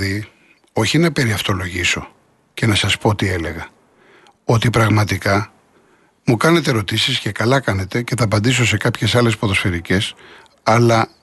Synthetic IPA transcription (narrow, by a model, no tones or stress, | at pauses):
ði | o̞çinɐpe̞ɾiɐft̪o̞lo̞ʝiso̞ | ce̞nɐsɐspo̞t̪ie̞le̞ɣɐ | o̞t̪ipɾɐɣmɐt̪ikɐ | mukɐne̞t̪e̞ɾo̞t̪isisce̞kɐlɐkɐne̞t̪e̞ce̞θɐːpɐnd̪is̬o̞se̞kɐpçe̞sɐle̞spoðo̞sfe̞ɾice̞s | ɐlɐ